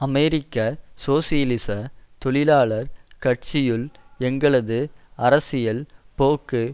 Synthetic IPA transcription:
ɐmɛɾɪkːɐsoːsɪjɐlɪsɐt̪ɔɭɪlaːɭɐɾkɐʈ̚t͡ʃɪjɯlɛŋɡɐɭɐðɯɐɾɐsɪjɐlpoːkːɯ

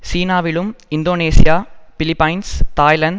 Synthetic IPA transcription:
siːnaːʋɪlɯmɪnd̪oːneːsɪjaːfɪlɪpːɐɪnst̪aːjlɐɳɖ

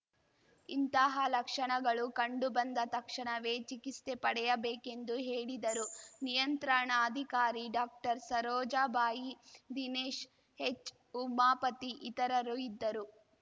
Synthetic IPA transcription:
int̪ɐɦɐlɐkʂɐɳɐɡɐɭukɐɳɖubɐnd̪ɐt̪ɐkʂɐɳɐʋeːt͡ʃikist̪e̞pɐɽɛjɐbeːke̞nd̪uɦe̞ːɭid̪ɐɾunijɐnt̪ɾaːɳaɐd̪ʱikaːɾiɖaːk̚ʈɐɾsɐɾɔːd͡ʒaːbaːjid̪ineːʃ | het͡ʃː | umaːpɐt̪iʔit̪ɐɾɐɾuid̪ːɐɾu

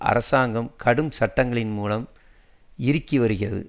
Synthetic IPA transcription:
ʔɐ̰ɾɐsaːŋɡɐmkʰɐɽɯmsɐʈːɐŋɡɐɭɪnmuːlɐm | ɪɾɯkːiʋɐɾɯɣɪrɐðɯ̰

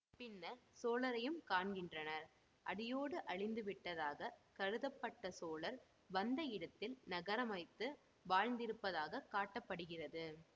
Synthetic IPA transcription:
pɪnːɐsoːlɐɾɐjɯmkaːɳɡɪndrɐnɐɾ | ʔɐɽɪjoːɽɯʔɐɻɪnd̪ɯʋɪʈːɐðaːɣɐkɐɻɯðɐpːɐʈːɐsoːlɐɾ | ʋɐnd̪ɐɪɽɐt̪ːɪlnɐɣɐɾɐmɐɪt̪ːɯ | ʋaːɻnd̪ɪɾɯpːɐðaːɣɐkaːʈːɐpːɐɽɯɣɪrɐðɯ

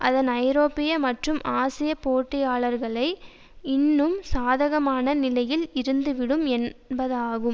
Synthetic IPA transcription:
ʔɐðɐnɐɪɾoːpɪjɐmɐʈrɯmaːsɪjɐpoːʈːɪjaːɭɐɾɣɐɭɐɪ | ɪnːɯmsaːðɐɣɐmaːnɐnɪlɐjɪlɪɾɯnd̪ɯʋɪɽɯmɛnbɐðaːɣɯm

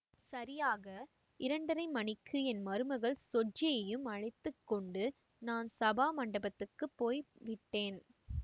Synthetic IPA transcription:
sɐɾɪjaːɣɐ | ɪɾɐɳɖɐɾɐɪmɐnɪkʰːɯɛnmɐɾɯmɐɣɐɭsɔd͡ʒɪjɐjɯmɐɻɐɪt̪ːɯkːɔɳɖɯ | naːnsɐbaːmɐɳɖɐbɐt̪ːɯkːɯpːoːjʋɪʈːeːn

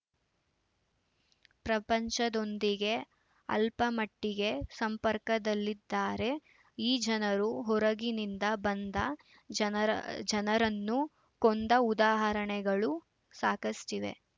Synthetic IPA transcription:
pɾɐpɐɲt͡ʃɐd̪o̞nd̪iɡe̞ | ɐ̰lpɐmɐʈːiɡe̞sɐmpɐɾkɐd̪ɐlːid̪ːaːɾe̞ | iːd͡ʒɐnɐɾuɦɔɾɐɡinind̪ɐbɐnd̪ɐ | d͡ʒɐnɐɾɐnːu | kond̪ɐud̪aːɦɐɾɐɳɛɡɐɭu | saːkɐsʈiʋe̞̰

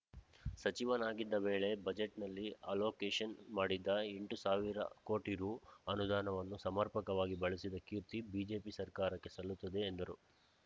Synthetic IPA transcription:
sɐt͡ʃiʋɐnaːɡid̪ːɐʋe̞ːɭe̞bɐd͡ʒeʈnɐlːiɐlo̞ːkeːʃɐnmaːɽid̪ːɐeɳʈusaːʋiɾɐ̰ko̞ːʈiɾuːɐnud̪aːnɐʋɐnːusɐmɐɾpɐkɐʋaːɡibɐɭisid̪ɐkiːɾt̪ibiːd͡ʒe̞ːpisɐɾkaːɾɐkːe̞sɐlːut̪ːɐd̪e̞ːnd̪ɐɾu

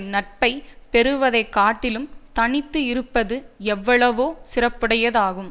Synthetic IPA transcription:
nɐʈ̚pɐɪpɛɾɯʋɐðɐɪkːaːʈːɪlɯmt̪ɐɳɪt̪ːɯɪɾɯpːɐðɯɛʋːɐɭɐʋoːsɪrɐpːɪɽɐjɐðaːɣɯm

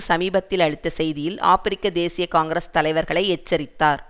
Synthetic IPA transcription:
sɐmiːbɐt̪ːɪlɐɻɯt̪ːɐsɛjðɪjɪla̰ːfɪɾɪkːɐd̪eːsɪjɐkaːŋɡɾɐst̪ɐlɐɪʋɐɾɣɐɭɐɪɛt͡ʃːɐɾɪt̪ːaːɾ

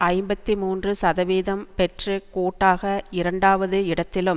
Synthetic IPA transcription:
ɐɪmbɐt̪ːimuːndrɯsɐðɐʋeːðɐmpɛʈrɯkoːʈːaːɣɐɪɾɐɳɖaːʋɐðɯɪɽɐt̪ːɪlɯm

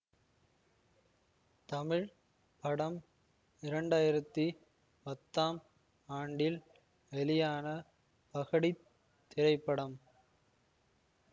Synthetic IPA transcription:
t̪ɐmɪɻ | pɐɽɐm | ɪɾɐɳɖaːjɪɾɐt̪ːi | pɐt̪ːaːm | aːɳɖɪl | ʋɛlɪjaːnɐ | pɐɣɐɽi | t̪ːɪɾɐɪpːɐɽɐm

